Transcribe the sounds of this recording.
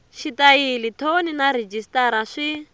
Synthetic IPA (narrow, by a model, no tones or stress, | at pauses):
ʃitʼailitʰoninaɾed͡ʒistʼaɾaʂi